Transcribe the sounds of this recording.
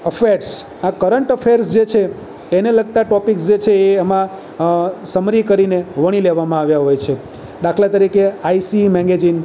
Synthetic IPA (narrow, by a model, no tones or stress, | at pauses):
əfʰeɾs | akəɾəɳʈəfʰeɾsd͡ʒet͡ʃʰeː | neləɡ̚t̪aʈɔpiksd͡ʒet͡ʃʰeːəmã | səmɾikəɾineʋəɽ̃ileʋamãaʋjaɦojt͡ʃʰe | d̪akʰlat̪əɾikeaisimɛ̃ŋɡed͡ʒin